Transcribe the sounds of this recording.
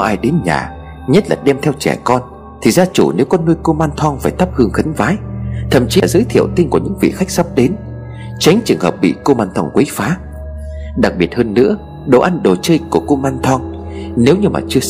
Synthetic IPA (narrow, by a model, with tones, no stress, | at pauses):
ʔaː˧jɗe˨˦nɲa̰ː˨˩ | ɲə˦˥t̚la̰ː˨˩ɗɛ˧mt̪ʰɛ˧wt͡ɕɛ̰˧˩kɔ˧n | t̪ʰi˨˩zaː˧t͡ɕu˧˩ne˨˦wkɔ˨˦nːu˧jko˧maː˧nt̪ʰwɔ˧ŋfaː˧˩jt̪ʰa˦˥p̚hɨ˧əŋxə˨˦ŋvaː˨˦jt̪ʰə̰˧˨mt͡ɕi˨˦˨zəː˧˦jt̪ʰi˧˨əwt̪i˧ŋku˧˩əɲɨ̰˧˥ŋvḭ˧˨xa˦˥jk̚sa˦˥p̚ɗe˨˦n | t͡ɕa˨˦jŋ̟t͡ɕɨ˨˩əŋhəː˨˩p̚ɓḭ˧˨ko˧maː˧nt̪ʰɔ˧ŋkwe˨˦jfaː˨˦ | ɗa˨˩k̚ɓi˨˩ət̚həː˧nːɨ̰˧˥ə | ɗo̰˧˨ʔa˧nɗo˨˩t͡ɕəː˧jku˧˩əko˧maː˧nt̪ʰwɔ˧ŋne˨˦wɲɨ˧ma̰ː˨˩t͡ɕɨ˧ə